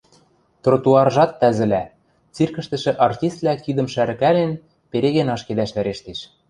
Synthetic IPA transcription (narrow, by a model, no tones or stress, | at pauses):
t̪rot̪uɑrʒɑt̪ːæzɘ̆læ | t͡sirkɘ̆ʃt̪ɘ̆ʃɘ̆ʔɑrt̪ʲist̪̚lækid̪ɤ̆mʃæɾɘ̆kælen | peɾeɣenɑʃkelæʃvæɾeʃt̪eʃ